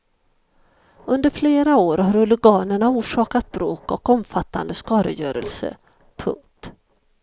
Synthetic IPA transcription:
ɵnd̪əɾfleːɾaoːɾhaɾɵlʊɡɑːnəɳauːʂɑːkat̪̚bɾoːkɔkɔmfat̪ːa̰nd̪əskɑːɾə̰jœːɾə̰lsə̰ | pʰɵ̰ŋt̪

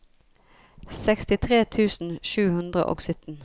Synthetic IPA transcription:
sɛkst̪ɪt̪ʰʁeːt̪ʰʉːsn̩ʃʉːhʉnd̪ʁə̰ʔo̰ːɡsʏt̪n̩

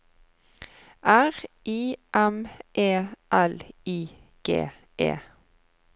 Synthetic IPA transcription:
ʔæːʁʔiːʔɛmʔeːʔæliː | ɡ̥ḛː | ʔḛː

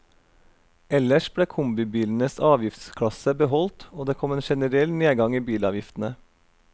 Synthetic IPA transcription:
ɛləʃbɽeːkʰʊmbɪbiːln̩əsɑːʋjɪft̪skʰɽɑsəbəɦɔlt̪oːd̪eːkʰɔmeːnʃɛnəɾɛlneːɡɑŋiːbiːlɑːʋjɪft̪n̩ə

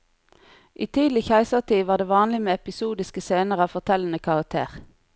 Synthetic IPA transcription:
ʔiːt̪ʰiːd̪lɪçæɪsəʁt̪ʰiːʋɑːʁd̪eːʋɑːnlɪmeːɛpɪsuːd̪ɪskəseːnəʁəɑːʋfɔʁt̪ʰɛln̩əkʰɑʁɑk̚t̪ʰḛːʁ

